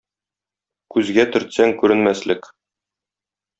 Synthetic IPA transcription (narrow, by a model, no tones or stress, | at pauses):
kʉzɡæt̪ɵ̆ɾt̪sæŋkʉɾɘ̆nmæslɘk